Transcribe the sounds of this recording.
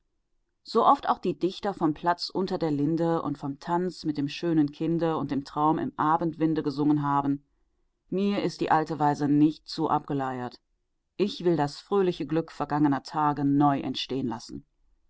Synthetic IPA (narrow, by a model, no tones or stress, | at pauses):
z̥oːʔɔfta̰ʊxd̥iːdɪçtɐfɔmpʰl̥at͡sʔʊntɐdeːɐlɪndəʊ̰ntfɔmtʰant͡smɪt̚d̥eːmʃøːnənkʰɪndəʊnt̚d̥eːmtʁ̥aʊmɪ̰mʔaːbntv̥ɪndəɡəzʊŋənɦaːbn̩ | miːɐʔɪstd̥ḭːʔaltəvaɪzənɪçtt͡suːʔap̚ɡ̥əlaɪɐt | ʔɪçv̥ɪldasfʁ̥øːlɪçəɡlʏkfɛɐɡaŋənɐtʰaːɡənɔʏʔɛ̰ntʃteːənlasn̩